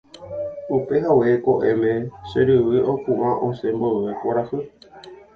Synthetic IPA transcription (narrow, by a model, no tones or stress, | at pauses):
upe̞ɦawekoʔemẽʃeɾɨʋɨʔokũʔãʔõsẽmbowekʷaɾafɨ